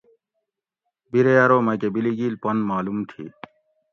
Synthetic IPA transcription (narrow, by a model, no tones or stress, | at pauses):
biɾejaɾoːmɐkebiliɡiːlpɐnmaːlumt̪ʰḭː